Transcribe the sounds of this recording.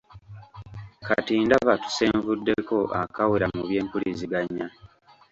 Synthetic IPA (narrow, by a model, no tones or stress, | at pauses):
katiːndaβatu̥seːɱvudːe̞ko̞ʔa̰kaweɾamuβje̞ːmpuliziɡaɲːa